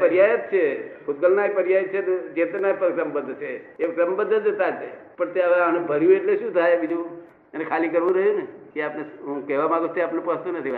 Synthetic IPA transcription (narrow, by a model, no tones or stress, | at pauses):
pəɾjajət̪̚t͡ʃʰekʰut̪̚kəlnapəɾjajət̪̚t͡ʃʰet̪d͡ʒet̪napəɾkɾəmbəd̪ʱt͡ʃʰeekɾəmbəd̪ʱəd͡ʒət̪at̪e | pəɳt̪eaʋeanebʱəɾjũeʈleʃũt̪ʰajbid͡ʒũ | enekʰalikəɾʋũɾəɦjunekeapneɦũkɛɦʋamaɡut͡ʃʰt̪eapnepəst̪unət̪ʰiʋa